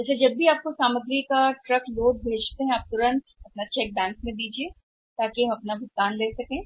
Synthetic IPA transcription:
ɐsed͡ʒɐbːiaːp̚kosaːməɡɾikaʈɾɐkloːɡ̚bʱeːd͡ʒt̪eɦɛ̃aːp̚t̪ʊɾə̃nt̪ɐpnat͡ʃɛːk̚bɛ̃ːŋkmẽd̪iːd͡ʒieː | t̪aːkiɦɐ̃mɐpnabʱʊt̪ːaːnleːsɐkẽː

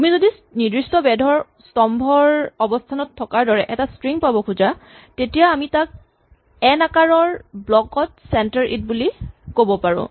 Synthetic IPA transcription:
amizodi | nidɹistɔbɛdʱɔɹ | stɔmbʱɔɹɔbɔstʰanɔtʰːɔkaɹdɔɹɛʔɛtastɹiŋpabɔkʰuza | tetijaːmitak̚ | ɛnakaɹɔɹblɔkɔt̚sɛntaɹʔḭt̚bulikobɔpaɹʊ̰̃

